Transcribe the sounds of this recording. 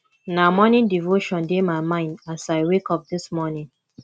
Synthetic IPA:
namɔnĩndivoʃɔ̃ndemaɪmãɪ̃ndasaɪwekɔp̚dɪsmɔnĩŋ

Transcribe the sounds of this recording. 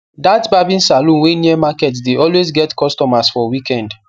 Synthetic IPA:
datbabĩnsalũnweniɛmakɛtsdeɔlwezɡɛtkɔstɔmasfɔwikɛ̃nd

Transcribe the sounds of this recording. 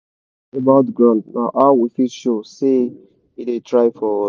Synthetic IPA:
ebaʊtɡɹãnna̰ʔawifiʃose | idetʰɹaɪfɔ

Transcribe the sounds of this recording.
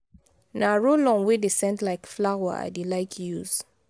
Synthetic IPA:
naɹolɔ̃nwedesɛ̃ndlaɪkflawa̰a̰delaɪkʰjuz̥

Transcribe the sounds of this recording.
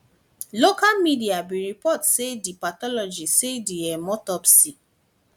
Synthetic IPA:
lokalmidiabĩɾipɔtsedipatɔlɔd͡ʒisediɛmɔtɔpsi

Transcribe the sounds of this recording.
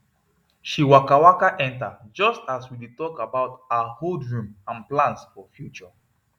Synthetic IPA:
ʃiwakawakaʔɛ̃ntad͡ʒɔstaswiditɔkabaʊtaaholdɹũmãnplãnsfɔfjut͡ʃɔ

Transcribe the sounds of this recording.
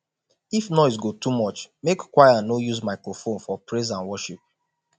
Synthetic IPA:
ifnɔɪsɡotumɔt͡ʃmekkwajanojuzmaɪkɹofõnfɔpɹes̬ãnwɔʃip̚

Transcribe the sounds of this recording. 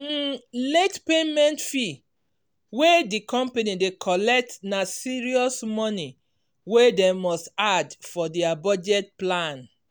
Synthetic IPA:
letpemɛ̃ntfi | wedikɔ̃mpenidekʰɔlɛk̚tnasiɹiɔsmɔni | wedɛ̃mɔstadfɔdɛabɔd͡ʒɛt̚plãn

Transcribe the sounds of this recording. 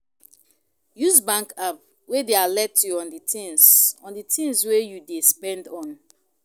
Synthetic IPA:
jusbãŋkap | wedealɛtjuɔ̃nditĩnsɔ̃nditʰĩŋswejudespɛ̃ndɔ̃n

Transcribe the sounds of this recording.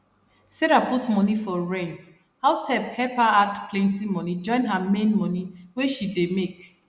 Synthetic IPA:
sɛɹaputmɔnifɔɹɛ̃nt | haʊshɛp̚hɛpaadpʰlɛ̃ntimɔnid͡ʒɔ̃ɪ̃nɦamẽnmɔniweʃidemek

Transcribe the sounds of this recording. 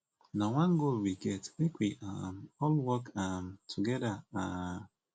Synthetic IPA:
nawãnɡolwiɡɛtwekʰʷiʔamɔlwɔkamtʰuɡɛdaa

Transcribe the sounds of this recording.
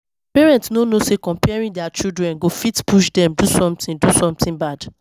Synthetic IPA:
pɛɹɛ̃ntsnonosekɔ̃mpɛɹĩdɛat͡ʃidɹɛ̃nɡofitpuʃdɛ̃mdusɔ̃mtĩndusɔ̃mtĩnbad

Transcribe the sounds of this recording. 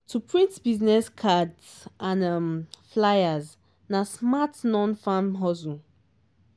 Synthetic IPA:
tʰupʰɹĩntbiznɛskʰadsãnamflajaz | nasmatnɔ̃nfãmɦɔzũ

